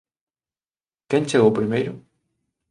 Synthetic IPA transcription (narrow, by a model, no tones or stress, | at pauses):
kẽnt͡ʃeɣowpɾimejɾʊ